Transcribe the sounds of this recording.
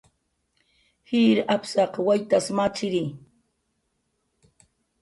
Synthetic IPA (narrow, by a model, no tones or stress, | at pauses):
hiːɾapsɑqwajt̪asmat͡ʃɪɾi